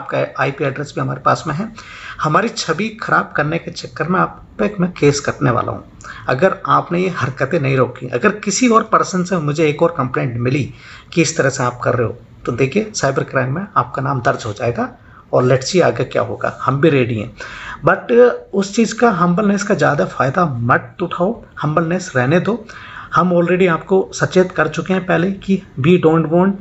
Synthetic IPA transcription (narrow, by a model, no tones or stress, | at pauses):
aːp̚kaaːipiɛɖɾesbʱiɦɐmaːɾepa̰ːsmẽɦɛ̃ː | hɐmaːɾit͡ʃʰɐbixʰɐɾaːb̚kɐɾneket͡ʃɐkːəɾmẽaːp | pekmɛ̃keːskɐɾneʋa̰ːlʔa̰ɦṵ̃ː | ɐ̰ɡəɾaːpnejehɐɾkət̪ẽnɐɦĩɾoːkiʔɐ̰ɡəɾkɪsiɔːɾpɐɾsənsemʊd͡ʒʱeeːkɔːɾkɐ̃mplẽːɳʈmɪli | kiɪst̪ɐɾəɦseaːp̚kɐ̰ɾːeɦɦo̰ | t̪od̪eːkʰiesaːɪbəɾkɾaːɪmːẽaːp̚kanãːmd̪ɐɾd͡ʒɦod͡ʒaːeːɡa | ɔːɾlɛʈsiaːɡekja̰ːɦo̰ːɡa̰ːhɐmbʱiɾeːɖiɦɛ̰̃ːbɐʈʊst͡ʃiːzkaɦɐ̃mbəlneːskazjaːd̪afaːɪd̪amɐʈ̚t̪ʊʈʰaːo | hɐ̃mbəlneːsɾɛɦned̪oːhɐmɔːlɾeːɖiaːp̚kosɐtːt͡ʃeːt̪kɐɾt͡ʃʊkeɦɛ̃pɛɦlekiʋiːɖõːɳʈʋɔ̃ːɳʈ